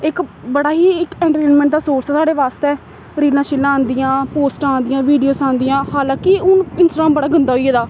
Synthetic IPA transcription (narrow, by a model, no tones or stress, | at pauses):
ɪkbəɽaːɦiːɪkɛ̃ːɳʈəʈẽːnmɛ̃ɳʈd̪aːsoːɾsaːsaːɽeːʋaːst̪eɛː | ɾiːlãːʃɪlːãːnd̪ijãːpoːsʈãːnd̪ijãːʋiːɖijoːsãːnd̪iːãːhaːlãːkɪʊnɪnsʈːɾaːmbəɽaːɡənd̪aːɦoieːd̪aː